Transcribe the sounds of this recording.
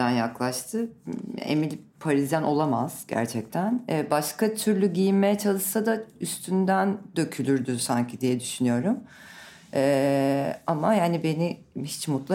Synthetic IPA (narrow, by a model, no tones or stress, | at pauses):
ænjaklˠaʃt̪ʰɯ̰ḛmilʲpʰaɾizd̪ænʔo̞lˠamaz̥ɟæ̰ɾt͡ʃʰɛc̚t̪ʰænɛːbaʃkat̪ʰyɾlʲyɟijimme̞jɛt͡ʃʰalˠɯʃsad̪ayst̪ʰynd̪ænd̪̥ø̞cʰylʲyɾd̪ysaɲcʰid̪ijɛd̪yʃynyjo̞ɾum | ɛː | amajaːnibe̞ni | hit͡ʃmut̪lˠa